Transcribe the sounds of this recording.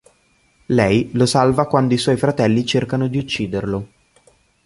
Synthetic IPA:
lɛjlosalvakwand̪oiswɔjfɾat̪ɛlːit͡ʃerkanod̪iut͡ʃːiːd̪erlo

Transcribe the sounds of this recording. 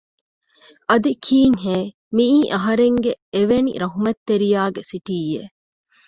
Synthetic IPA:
ʔɐd̪ikʰiːŋɦeː | miiːʔɐɦɐɾeŋɡeeʋenḭɾɐɦumɐt̪ːeɾijaːɡesiʈiːje

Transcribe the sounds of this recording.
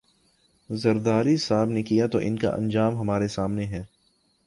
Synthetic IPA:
zɐɾd̪aːɾisaːbnekijat̪oʔɪnka̰ʔɐ̰̃nd͡ʒaːmɦɐmaːɾesaːmneɦɛː

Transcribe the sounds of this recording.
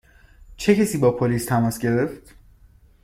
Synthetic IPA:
t͡ʃʰe̞cesiːbɒːpʰoliːst̪ʰæmɒːsɟe̞ɾe̞ft̪

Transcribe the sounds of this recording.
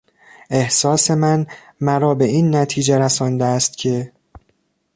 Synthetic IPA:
e̞hsɒːse̞mæn | mæɾɒːbe̞iːnːæt̪ʰiːd͡ʒeɾæsɒːnd̪eːst̪cʰe̞

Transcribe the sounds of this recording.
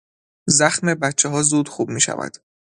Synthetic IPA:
zæxme̞bæt̪t͡ʃʰːeɦɒːzuːd̪xuːbmiːʃæ̰væ̰d̪̥

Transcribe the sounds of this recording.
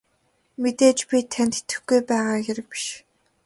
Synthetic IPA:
met̪eːt͡ɕpʲit̪ʰænt̪e̥t̪ɘ̆xɡujpæːʁaːɡeɾɘ̆k̚pi̥ʃ

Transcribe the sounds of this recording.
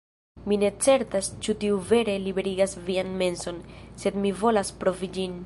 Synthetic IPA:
mine̞t͡se̞ɾtast͡ʃutiuve̞ɾe̞libe̞ɾiɡasvianme̞nso̞nse̞dmivo̞laspɾo̞vid͡ʒin

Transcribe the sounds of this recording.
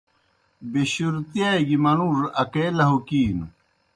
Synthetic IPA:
beɕuɾt̪ijaeɡimɐnuɾɐkelɐɦukiːnu

